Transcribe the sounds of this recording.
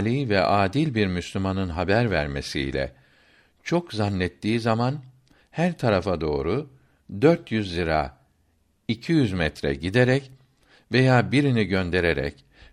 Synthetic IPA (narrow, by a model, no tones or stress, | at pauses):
lʲiːvɛʔaːd̪ilʲbiɾmyslʲymanɯnɦabæɾvæɾme̞̰sḭlʲɛ̰ | t͡ʃʰo̞kzanːɛt̪ːiːzaman | hæɾt̪ʰaɾafad̪o̞ːɾu | d̪øɾt̪jyzːiɾa̰ | icʰijyzmɛt̪ɾɛ̰ɟid̪eɾɛc | ve̞jaːbiɾiniɟønd̪e̞ɾeɾɛ̰c